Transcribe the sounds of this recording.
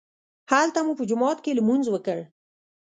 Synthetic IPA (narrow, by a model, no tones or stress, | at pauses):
halt̪amupəd͡ʒʊmɑt̪keləmunzwəkəɽ